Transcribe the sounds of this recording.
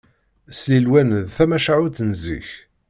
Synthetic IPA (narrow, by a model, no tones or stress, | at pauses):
slilwænðθæmæʃaʕuθənzḭç